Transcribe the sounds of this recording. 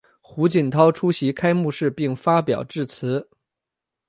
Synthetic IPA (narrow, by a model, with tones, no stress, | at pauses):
xu˧˥t͡ɕi˨˩nt̪ʰɑ˥ʊʈ͡ʂʰu˥ɕi˧˥kʰa˥ɪmu˥˧ʂɻ̩˥˧pi˥˩ŋfa˥pjɑ˨˩ʊʈ͡ʂɻ̩˥˩t͡sʰɹ̩˧˥